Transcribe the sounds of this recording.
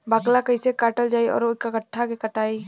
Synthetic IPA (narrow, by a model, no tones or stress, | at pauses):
bəɡlakəɪsekaːʈəld͡ʒaːiɔ̰ːɾokakəʈʰːakekəʈaːi